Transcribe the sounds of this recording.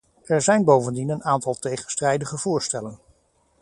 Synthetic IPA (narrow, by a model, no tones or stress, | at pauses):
ɛɹzɛjnbowvəndinənaːntɑlˠtejχənstrɛjdəχəv̥ʊːɹstɛlən